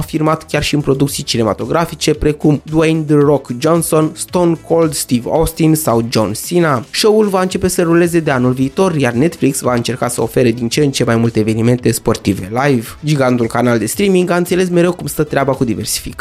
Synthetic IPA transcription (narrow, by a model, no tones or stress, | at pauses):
firmat̪kʲarʃiɨnpɾo̞d̪ukt̪sijt͡ʃine̞ma̰t̪o̞ɡɾafit͡ʃe̞pɾe̞kumd̪uejnd̪əro̞kd͡ʒo̞nso̞nst̪o̞nkʰo̞ld̪st̪ivost̪insawd͡ʒo̞̰nsinaʃo̞wulvaɨnt͡ʃe̞pe̞səɾule̞ze̞d̪e̞anulviːt̪o̞rjarne̞t̪fliksvaɨnt͡ʃe̞rkasəo̞fe̞ɾe̞d̪int͡ʃent͡ʃe̞majmult̪eːve̞nime̞nt̪e̞spo̞rt̪ive̞̰lajv | d͡ʒiɡant̪ulkanald̪e̞st̪ɾimiŋɡaɨnt̪sele̞s̬me̞ɾe̞wkumst̪ət̪ɾeabakud̪ive̞̰rsi̥fḭk